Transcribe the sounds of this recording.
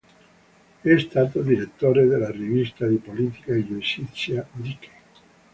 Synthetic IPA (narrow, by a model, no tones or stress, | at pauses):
ɛst̪aːt̪od̪iɾet̪ːoːɾed̪elarivist̪ad̪ipolit̪i̥kaid͡ʒuisit̪sjaɾike̥